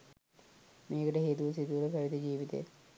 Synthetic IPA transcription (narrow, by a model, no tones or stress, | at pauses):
meːkəʈəɦeːt̪uʋɐsit̪uʋulɐpɐʋid̪ɐd͡ʒiːʋit̪ḛj̰